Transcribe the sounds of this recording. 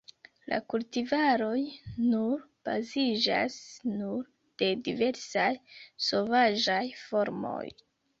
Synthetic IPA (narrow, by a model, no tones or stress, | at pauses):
la̰kultivaɾo̞jnuɾb̥a̰zid͡ʒa̰snuɾ | d̥e̞dive̞ɾsajso̞vaʒajfo̞ɾmo̞̰j